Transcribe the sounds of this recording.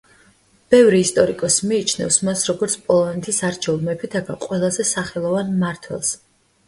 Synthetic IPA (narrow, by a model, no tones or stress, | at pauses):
b̥ɛvɾiːst̪ʼɔɾikʼɔsmiːt͡ʃʰnɛ̰fsmasɾɔɡɔɾt̪sʰpʼɔlˠɔnɛt̪ʰisaɾt͡ʃʰɛulˠmɛpʰit̪ʰaɡa̰qʼwɛlˠazɛsaχɛlˠɔvanmaɾt̪ʰwɛ̰lˠs